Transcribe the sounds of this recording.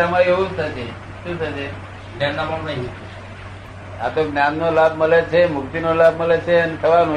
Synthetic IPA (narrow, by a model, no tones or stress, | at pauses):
amaɦoũt̪ʰət͡ʃʰe | ʃũt̪ʰət͡ʃʰe | nannamamnaɦit̪u | a̰t̪oɡnjannolabʱməlet͡ʃʰemʊkt̪inolabməlet͡ʃʰeənet̪ʰəʋano